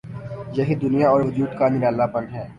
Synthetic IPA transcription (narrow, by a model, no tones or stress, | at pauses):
jɐɦid̪ʊnijaɔːɾʋɐd͡ʒuːd̪kanɪɾaːlapɐnɦɛː